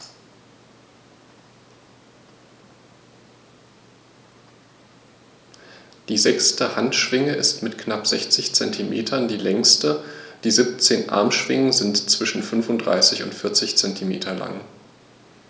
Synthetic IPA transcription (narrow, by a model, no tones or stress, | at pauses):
d̥iːzɛkstəhantʃv̥ɪŋəʔɪstmɪtkʰnapz̥ɛçt͡sɪçt͡sɛntʰimʔḛːtʰɐndiːlɛŋstəd̥iːzip̚t͡seːnʔa̰ɐmʃv̥ɪŋəzɪntt͡sv̥ɪʃn̩fʏnfʊntd̥ʁa̰ɪsɪçʊ̰ntfɪɐt͡sɪçt͡sɛntʰimeːtʰɐla̰ŋ